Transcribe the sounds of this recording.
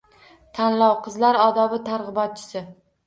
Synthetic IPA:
t̪ʰanlɒwqʰɨzlaɾɒd̪ɒbɪt̪ʰaɾʁɨbɒt̪̚t͡ʃʰɪ̥sɪ

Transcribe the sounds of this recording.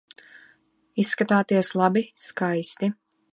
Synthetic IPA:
isːkat̪aːt̪iɛslˠabiskajst̪i

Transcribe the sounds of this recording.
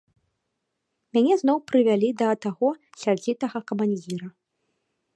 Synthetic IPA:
mʲanʲɛznɔwpɾɨvʲalʲid̪ɐt̪aɣɔsʲard͡zʲit̪ɐɣɐkɐmanʲd͡zʲiɾɐ

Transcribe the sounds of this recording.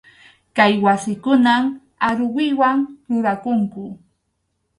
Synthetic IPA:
kajwasɪkʊnam | aɾʊwɪwaŋɾʊɾakʊŋkʊ

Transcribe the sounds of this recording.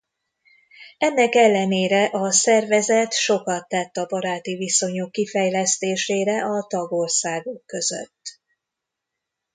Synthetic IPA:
ɛnːɛkɛlːɛneːɾɛʔɒsɛrvɛzɛt̪ʃo̞kɒt̪ːɛt̪ːɒbɒɾaːt̪iviso̞ɲokːifɛjlɛst̪eːʃeːɾɛʔɒt̪ɒɡo̞rsaːɡokːø̞zø̰t̪ː

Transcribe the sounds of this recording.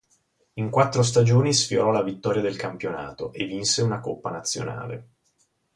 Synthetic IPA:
iŋkwat̪ːɾos̬t̪ad͡ʒoːnisfjoɾɔlavit̪ːɔːɾjad̪elkampjona̰ːt̪oʔevːinseunakopːanat̪sːjo̰na̰ːlḛ

